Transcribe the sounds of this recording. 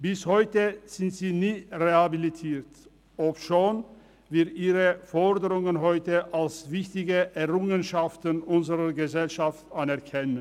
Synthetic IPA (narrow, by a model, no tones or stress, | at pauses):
b̥ɪshɔʏtəz̥ɪntz̥iːniːʁehabilitʰiːɐt | ʔɔpʃoːn | viːɐʔiːʁəfɔʁdəʁʊŋənɦɔʏtəʔalsvɪçtɪɡəʔɛɐʁʊŋənʃaftənʔʊnzəʁɐɡəzɛlʃaftʔanɛɐʁkʰɛnən